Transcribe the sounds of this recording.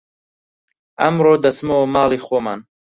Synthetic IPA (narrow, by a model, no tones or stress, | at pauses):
ɐmɾoːd̪ɐt͡smomaːliχoːma̰ːn